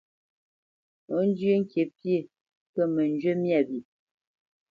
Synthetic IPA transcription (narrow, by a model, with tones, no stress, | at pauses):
o˨˦n˦d͡ʒjo˦ŋ̩˦kje˨pje˦˨ | kə˦˨mə˨n˦d͡ʒɥe˦mja˦˨bi˨